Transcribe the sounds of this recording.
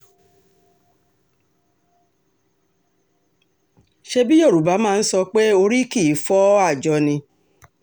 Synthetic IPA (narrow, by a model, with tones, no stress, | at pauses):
ʃe˧bi˦jo˦˨ɾu˨ba˨˦mãː˦˧n̩˦sɔ˧k͡pe˦o˧ɾi˦ki˦˨˦fɔ˦a˦˨d͡ʒɔ˧nĩ˧